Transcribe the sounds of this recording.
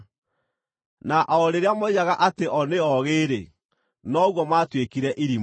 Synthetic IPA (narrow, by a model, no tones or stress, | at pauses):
naʔɔɾeɾeamoijaɣaʔateʔɔneɔɣeːɾḛ | nɔɣwɔmaːtwekiɾɛʔiɾi